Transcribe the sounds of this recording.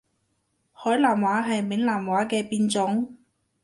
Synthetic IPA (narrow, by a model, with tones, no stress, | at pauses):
hɔː˨˥jlaː˨˩mwaː˨˥ɦɐ˨jmɪ˨˥ŋlaː˨˩mwaː˨˥kɛː˧piː˧nt͡sʊ˨˥ŋ